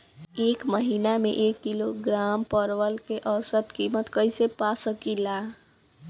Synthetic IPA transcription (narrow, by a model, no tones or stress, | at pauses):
ekməɦinamḛʔekːiloɡɾampəɾʋəlkeʔəɾsət̪kimət̪kəjsepasəkila